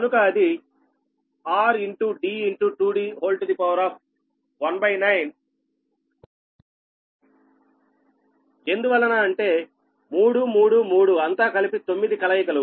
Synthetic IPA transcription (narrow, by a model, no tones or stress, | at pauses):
kɐnukɐːd̪i | aːɾiɳʈuɖiːiɳʈuʈuːɖiːɦoːlʈɐd̪ipɐwɾaːp̚ʰ | ʋɐnbɐjnɐjn | e̞nd̪uʋɐlːɐnaːɐɳʈe̞ː | muːɽumuːɽumuːɽuɐnt̪aːkɐlipit̪o̞mːid̪ikɐlɐjɐkɐlu